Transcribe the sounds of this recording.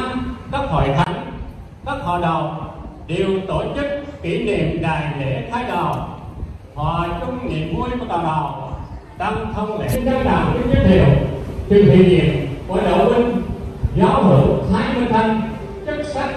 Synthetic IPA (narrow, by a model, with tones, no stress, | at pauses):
a˧mkaː˦˥k̚ho̰˧˨jt̪ʰa˨˦jŋ | kaː˦˥k̚ha̰ː˨˩ɗə˨˩wŋ͡mɗi˨˩əwt̪o˧˩t͡ɕɨ˦˥k̚ːi˧˩nḭ˧˨əmɗaː˨˩jlḛ˧˩˥t̪ʰaː˨˦jɗa˨˩w | hɔ̰ː˧˨t͡ɕʊ˧ŋ͡mŋḭ˨˩˨əp̚ŋu˧əjva˨˩t̪aː˨˩ɓa˨˩w | t̪a˧mt̪ʰə˧wŋ͡mlḛ˧˩˥nt̪ʰəː˧˦ɗaː˨˩wki˧˦ɲə˦˥t̚hḭ˨˩əwt̪ʰi˨˩ŋt̪wḭ˨ənɲḭ˧˨əmku˧˩˦ɗo̰˧˨˩wï˧ŋ̟zaː˨˦wɦɨ˧˩whaː˧jmɨ˧əjt̪ʰa˧ŋ | t͡ɕɨ˦˥k̚sa˦˥k̚